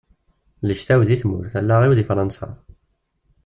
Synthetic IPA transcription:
ləʃt̪æwðiθmʊɾθælːaʁiwðifɾˤɑnsa̰

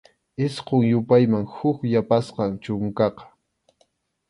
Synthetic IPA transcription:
ɪsqoŋjʊpajmaŋhʊkjapasqɑŋt͡ʃʊŋkɑqɑ̥

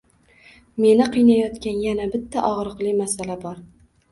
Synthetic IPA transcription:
me̞nɪqʰɨjnajɒt̪kʲanjanabɪt̪ʰːaʔɒʁɾɨqlˠɪmasalabɒɾ

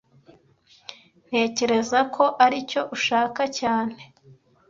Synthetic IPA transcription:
n̥e̞ːce̞ɾe̞zakʰo̞ʔaɾico̞ʔuʃaːkacaːn̥he̞

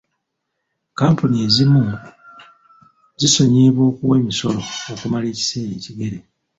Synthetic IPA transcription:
kaːmpunie̞ːzimu | ziso̞ɲeːβwo̞ːkuwe̞ːmiso̞lo̞okumale̞ːci̥se̞ːje̞ːciɡe̞ɾe̞

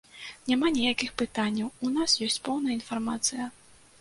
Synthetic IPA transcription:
nʲamanʲɛjakʲixpɨt̪anʲːɐwunasjɔsʲt͡sʲpɔwn̪ɐjɐinfarmat̪sɨjɐ

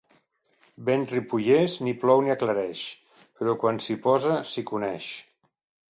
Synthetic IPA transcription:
benripuʎezniplɔwniəkləɾɛʃ | pəɾɔkwansipɔzəsikunɛʃ

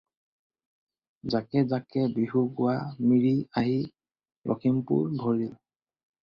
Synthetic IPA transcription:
zakɛzakɛbiɦuɡʊwamiɹiaɦi | ɹʔɔ̰kʰimpṵɹbʱɔɹil

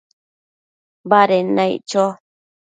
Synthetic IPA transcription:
baɾenãḭt͡ʃo

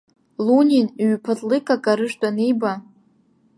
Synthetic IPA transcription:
lunʲinɥpʰatʼlɨkʼakʼaɾɨʂtʷʼanejba

